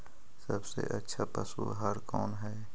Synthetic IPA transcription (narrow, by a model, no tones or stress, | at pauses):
sɐbsḛʔɐtːʃʰapəsṵɦəɾkɔːnɦɛː